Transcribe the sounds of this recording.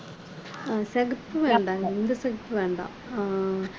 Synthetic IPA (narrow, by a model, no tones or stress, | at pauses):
sɐɡɐpːɨʋeːɳɖaːŋend̪ɐsɐɡɐpːɨʋeːɳɖa̰ːm